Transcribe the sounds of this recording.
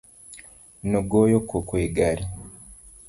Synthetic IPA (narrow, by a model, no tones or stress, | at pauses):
noɡojokːokweːɡaɾi